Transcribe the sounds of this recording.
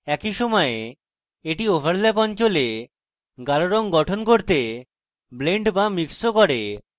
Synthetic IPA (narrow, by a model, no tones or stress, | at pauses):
ɛkiʃɔmɔe | eʈiofaɽlɛpɔnt͡ɕole | ɡaɾoɾɔŋɡɔʈʰonkoɾt̪e | bleɳɖbamiksokɔɾe